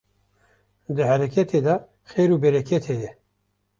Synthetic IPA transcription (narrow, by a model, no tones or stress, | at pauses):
d̪ɨhæɾɛkʰɛt̪ʰed̪ɑ | xeːɾuːbɛɾɛkʰɛt̪ʰejɛ